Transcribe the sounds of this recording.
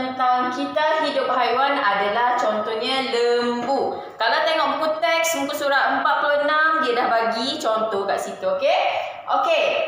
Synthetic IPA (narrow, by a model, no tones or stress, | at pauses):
nt̪aŋkit̪aɦidʊp̚ɦajuanadalaht͡ʃɔnt̪ɔhɲãləmbu | kalawt̪ɛŋɔʔbukut̪ɛk̚smukusuɾaəmpat̪̚puluənãmdiədahbaɡit͡ʃɔnt̪ɔhkaʔsit̪uoke | ʔoke